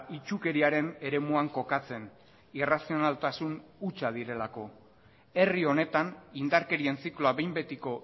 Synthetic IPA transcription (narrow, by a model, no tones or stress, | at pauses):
it͡ʃuke̞ɾiaɾe̞ne̞ɾe̞muaŋko̞kat͡se̞n | irasio̞nalt̪asunut͡ʃað̞iɾe̞lako̞ | e̞rio̞ne̞t̪anind̪aɾke̞ɾie̞nt͡sikloaβejmbe̞t̪iko̞